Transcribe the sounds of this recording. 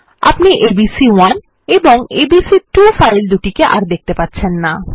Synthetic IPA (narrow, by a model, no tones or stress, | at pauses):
a̰pniʔebisiwan | eboŋebisiʈufajld̪uʈikeʔa̰ɾd̪ek̚t̪epatːɕʰenːa